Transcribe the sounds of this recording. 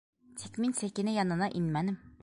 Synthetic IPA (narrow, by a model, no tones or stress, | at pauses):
t̪ʰɛkʲminsɛkʲːinɪjɑnɨnɑʔinmɛnɪm